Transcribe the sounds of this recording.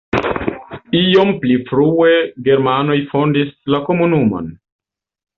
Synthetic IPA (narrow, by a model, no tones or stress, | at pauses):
io̞mplifɾue̞ɡe̞ɾmano̞jfo̞ndislako̞munumo̰n